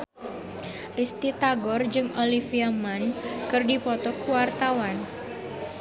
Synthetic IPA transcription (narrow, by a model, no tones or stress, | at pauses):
rist̪it̪aɡɔrd͡ʒɨŋolifiamankɨrdipɔt̪ɔkuwart̪awan